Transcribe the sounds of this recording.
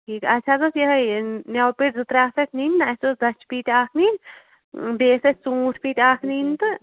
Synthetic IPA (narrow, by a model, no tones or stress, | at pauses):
ʈʰiːkɐtːt͡ʃʰad̪osjɐɦɐjnɐwpiʈzɨt̪ɾaːfekʰniːnːasosd̪ɐt͡ʃpiːʈaːkʰniːn | beːsɐsũːʈʰpiːʈaːkʰniːnt̪ɨ